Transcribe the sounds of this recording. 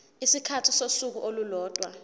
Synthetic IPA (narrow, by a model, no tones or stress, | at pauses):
isikʰatʰisosuk̬uʔolulɔːtʼwa